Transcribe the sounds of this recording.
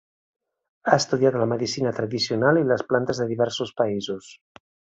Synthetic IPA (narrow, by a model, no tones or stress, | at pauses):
aest̪uðjaðoləmeðisinat̪ɾaðisionaliləsplant̪əzðəðiβɛɾsospaizos